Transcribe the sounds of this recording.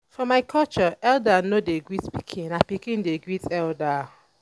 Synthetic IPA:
fɔmajkʰɔlt͡ʃɔʔɛldanodeɡɹitpikʰĩnapikĩndeɡɹitʰɛlda

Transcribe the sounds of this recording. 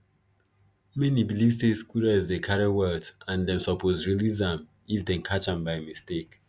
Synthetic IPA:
mɛnibilivsdeskuləzdekʰaɹewɛtãndɛ̃msɔpʰozɹilizãm | ifdɛ̃nkʰat͡ʃãmbaɪmistek

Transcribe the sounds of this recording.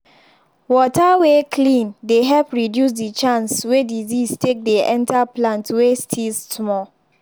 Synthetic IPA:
wɔtʰawekʰlĩndeɦɛlpɹidjus̬dit͡ʃãnswedizistʰek̚deʔɛ̃ntaplãntwestʰilssmɔ

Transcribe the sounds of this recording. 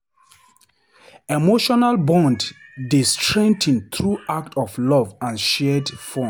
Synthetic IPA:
emoʃɔnalbɔ̃ndːestɹɛ̃ntʰĩnt̪ʰɹuak̚tʰɔflɔvãnʃɛdfɔ

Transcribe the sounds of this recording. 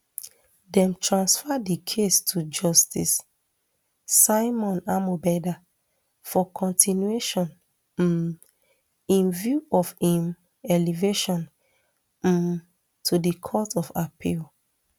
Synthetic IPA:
dɛ̃mtʰɹãnsfadikʰestʰud͡ʒɔstis | aɪmɔ̃namobɛda | fɔkʰɔ̃ntinjueʃɔ̃n̩ | ĩnvjuɔfhĩm | ɛliveʃɔ̃n̩ | tʰudikʰɔtɔfapʰil

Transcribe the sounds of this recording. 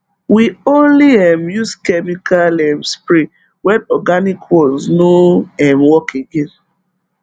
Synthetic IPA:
wiõnliɛmjuskɛmikalɛ̃mspɾi | wɛnɔɡanikʰwɔznoɛ̃mwɔkeɡẽn

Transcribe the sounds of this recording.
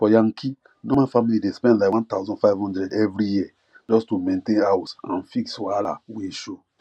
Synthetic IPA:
fɔjãŋkʰi | nomãfamilidespɛ̃ndlaɪkwãntaʊzɔ̃faɪvhɔ̃ndɾɛdɛvɾijiɛ | d͡ʒɔstumẽntẽnawsãnfikswala̰weʃo

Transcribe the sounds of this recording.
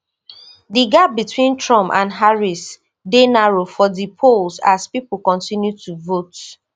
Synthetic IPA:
diɡab̚bitwĩntʰɹɔ̃mpã̰nɦaɹis | denaɹofɔdipʰolsaspip̩kɔ̃ntĩnjutuvot

